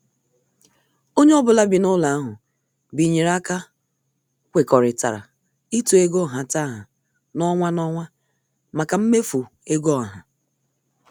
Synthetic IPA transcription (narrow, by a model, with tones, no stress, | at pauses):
o˦ɲe˦ɔ˦bʊ˨la˦bɪ˨nʊ˦la˨a˦ɦʊ˨ | bi˨ɲe˨ɾa˦ka˦ | kʷe˨kɔ˨ɾɪ˨ta̰˨ɾa̰˨ | i˦tu˨e˦ɡo˦˨ɦa˨ta˦˨ɦa˨ | nɔ˦ŋʷa˦nɔ˦ŋʷa˦ | ma˨ka˨m̩˦me˦fu˨ | e˦ɡo˦a˨ɦa˨